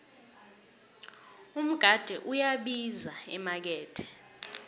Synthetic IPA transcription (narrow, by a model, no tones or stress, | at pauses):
um̩ɡ̥ʱad̥ʱɛʔujaɓizaɛmak̬ɛːtʰɛ̥